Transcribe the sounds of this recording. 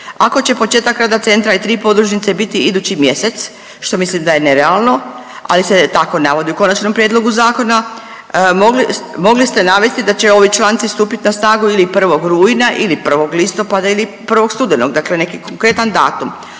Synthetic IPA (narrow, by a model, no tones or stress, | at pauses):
ako̞t͡ɕe̞po̞t͡ʃeːt̪akɾaːd̪at̪se̞nt̪ɾait̪ɾiːpo̞d̪ɾuʃnit̪se̞bit̪iid̪uːt͡ɕimjese̞t̪s | ʃt̪o̞mislimd̪aje̞neɾealˠno̞ | a̰liset̪ako̞naʋo̞d̪iuko̞nat͡ʃno̞mpɾjed̪lˠo̞ɡuzaːko̞na | moɡlmo̞ɡlist̪e̞naʋe̞st̪id̪at͡ɕe̞o̞ʋit͡ʃlˠaːnt̪sist̪uːpit̪inasnaːɡuilipr̩ʋo̞ɡɾuːinaʔilipr̩ʋo̞ɡlist̪o̞pad̪ailipr̩ʋo̞kst̪ud̪enoɡd̪akle̞ne̞kikoŋkɾe̞t̪and̪a̰ːt̪um